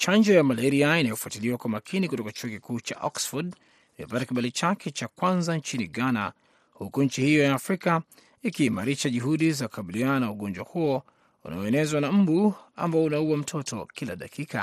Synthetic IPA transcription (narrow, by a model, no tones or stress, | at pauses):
t͡ʃaɲd͡ʒɔjamalɛɾiainajɔfuatiliwakwamakʰinikutɔkat͡ʃuɔkikuːt͡ʃa̰ʔɔksfɔd | imḭpatakiɓalit͡ʃakʰɛt͡ʃakwanzaɲt͡ʃiniɠana̰ | hukuɲ̩t͡ʃihijɔjaːfɾika | ikiːmaɾiʃaʄuɦuɗizaku̥kaɓiliananauɠɔɲd͡ʒwahuɔ | una̰ɔɛnɛzwanam̩bua̰mbaɔunauwam̩tʰɔtɔ̰kilaɗa̰kika̰